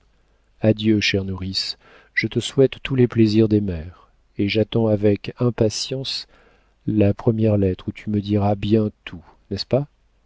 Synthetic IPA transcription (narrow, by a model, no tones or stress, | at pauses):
ad̪jøʃɛʁnuʁis | ʒ̥ət̪əswɛt̪ːulɛpleziʁd̪emɛʁ | eʒat̪ɑ̃avɛkɛ̃pasjɑ̃s | lapχəmjɛʁlɛt̪χut̪ʰyməd̪iʁabjɛ̃t̪ʰu | nɛspa